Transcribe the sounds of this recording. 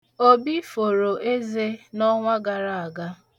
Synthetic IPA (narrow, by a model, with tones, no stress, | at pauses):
o˦bi˦fo˨ɾo˨ʔe˦ze˦nɔ˦ŋʷa˦ɡa˨ɾa˨a˨ɡa˦